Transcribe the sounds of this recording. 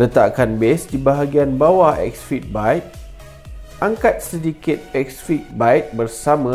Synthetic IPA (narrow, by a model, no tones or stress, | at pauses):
lət̪aʔkanbesdibaɦaɡianbawahɛ̰k̚sfit̪̚bajt̪̚ | ʔaŋkat̪̚sədikɪt̪̚ɛksfit̪̚bajt̪̚bərsamã